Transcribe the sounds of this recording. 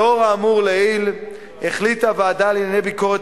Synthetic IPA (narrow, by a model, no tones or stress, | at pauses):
oʁaːmuʁleil | eχlit̪avead̪alinanejbiko̞ʁet